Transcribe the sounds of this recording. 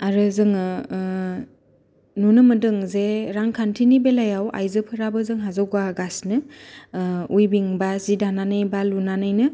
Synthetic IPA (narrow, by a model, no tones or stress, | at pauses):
aɾɯzɯŋɯ | nunɯmɯdɯŋzeɾaŋkʰantʰinibelajawʔa̰jzɯpʰɯɾabɯzɯŋɦazɔwɡaɡasnɯ | ujbiŋbazidananɯjbalunanajnɯ